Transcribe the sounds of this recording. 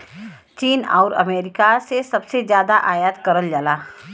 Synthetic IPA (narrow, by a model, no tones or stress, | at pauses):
t͡ʃiːnɔ̰ːɾɐ̰meːɾɪkasesɐbsezjaːd̪aʔaːjat̪kɐɾəld͡ʒalaː